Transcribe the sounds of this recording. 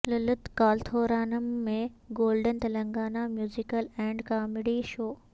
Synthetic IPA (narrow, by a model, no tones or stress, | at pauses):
lɐlʊt̪kaːlt̪ʰoːɾaːnəmːẽɡoːlɖənt̪ɐlɐ̃ŋɡaːnamjuːzɪkəlɛ̃ːɳɖkaːmɪɖiʃoː